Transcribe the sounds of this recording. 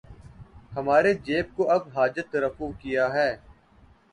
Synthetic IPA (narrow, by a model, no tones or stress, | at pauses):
həmaːɾed͡ʒeːp̚koʔɐbɦaːd͡ʒət̪ːəɾəfukɪjaɦɛː